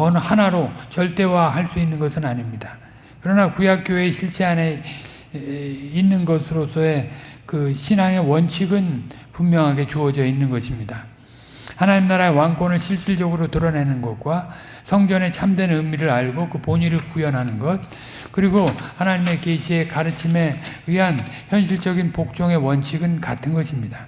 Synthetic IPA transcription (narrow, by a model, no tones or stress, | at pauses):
ʌnhanaɾot͡ɕʌɭt͈e̞wahaɭs͈uinːɯnɡʌsʰɯnaɲimɲida | kɯɾʌnakujak͈joe̞ɕʰiɭɕ͈ʰiane | inːɯnɡʌsʰɯɾosʰʌe̞kɯɕʰinaŋe̞wʌnt͡ɕʰiɡɯn | pummjʌŋɦaɡe̞t͡ɕuʌd͡ʑʌinːɯnɡʌɕʰimɲida | hanaɲimnaɾaewaŋkwʌnɯɭɕʰiɭɕ͈iɭd͡ʑʌɡɯɾotɯɾʌnenɯnɡʌt̚k͈wa | sʰʌŋd͡ʑʌne̞t͡ɕʰamdwe̞nɯmiɾɯɾaɭɡokɯpoɲiɾɯɭkujʌnɦanɯnɡʌt̚ | kɯɾiɡohanaɲime̞keɕʰie̞kaɾɯt͡ɕʰime̞ɯɦançjʌnɕʰiɭt͡ɕ͈ʌɡinpok̚t͡ɕ͈ʌŋe̞wʌnt͡ɕʰiɡɯnkatʰɯnɡʌɕʰimɲida